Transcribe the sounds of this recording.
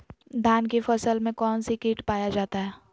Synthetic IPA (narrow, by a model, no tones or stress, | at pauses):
d̪ʱaːnkefɐsəlmẽkɔːnsikiːʈpaːjad͡ʒaːt̪aɦɛː